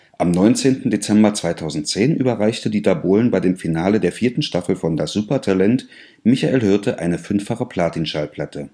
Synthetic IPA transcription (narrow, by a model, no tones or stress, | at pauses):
ʔamnɔʏnt͡seːntn̩det͡sɛmbɐt͡sv̥aɪtʰaʊzn̩t̚t͡seːnʔy̰ːbɐʁaɪçtədiːtaboːlənbaɪdeːmfinaːlədeːɐfiːɐtn̩ʃtafl̩fɔndasz̥uːpɐtʰalɛnt | mɪçaʔeːlɦʏɐtʰəʔa̰ɪnəfʏnfaχəpʰl̥aːtinʃalpʰl̥atə